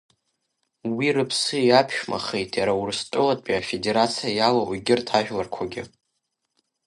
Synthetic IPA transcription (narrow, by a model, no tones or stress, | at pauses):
wirɨpʰsɨjapʰʃᶣma̰χe̞jtʼjaɾawurstʼʊlatʼpʼiafe̞de̞ɾat͡sʰijajalawiɡʲɪrtʰaʒᶣlarkʷʰaɡʲɪ